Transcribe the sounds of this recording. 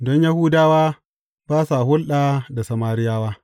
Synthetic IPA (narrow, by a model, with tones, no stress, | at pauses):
dɔ˦ɲja˦hʊː˦daː˦waː˦ | b̥aː˦sa˨hʊ˦lɗaː˨da˨sɐ˨maː˦ɾɪ˦jaː˦waː˦